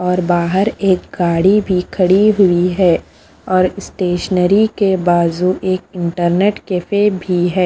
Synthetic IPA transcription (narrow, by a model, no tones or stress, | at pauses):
ɔːɾbaːɦəɾeːkɡaːɽibʱikʰɐɽiɦʊiɦɛː | ɔːɾɪsʈeːʃnəɾikebaːzuʔeːkɪ̃ɳʈəɾneːʈkefebʱiɦɛː